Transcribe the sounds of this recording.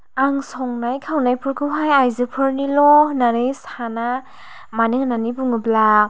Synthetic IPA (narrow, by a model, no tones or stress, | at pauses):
aŋsɔŋnajkʰawnajpʰɯɾkʰɯwɦajajzɯpʰɯɾnilɔnanɯjsana | manɯŋnanibuŋɯbla